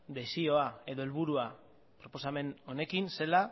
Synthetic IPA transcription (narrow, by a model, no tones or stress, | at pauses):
d̪e̞sio̞ae̞ðo̞elβuɾua | pɾo̞po̞same̞no̞ne̞kinse̞la